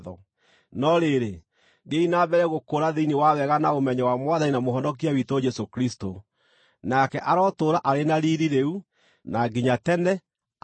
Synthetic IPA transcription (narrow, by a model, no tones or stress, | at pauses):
ðɔ̰ | nɔɾeɾe | ɡeinabɛɾɛɣokoːɾaðeiniwawɛɣanaomɛɲɛwamwaðaninamoɦɔndɔk̬iawitod͡ʒɛsokɾisto | nakɛʔaɾɔtoːɾaʔaɾenaɾiɾiɾeu | naɡiɲatɛnɛ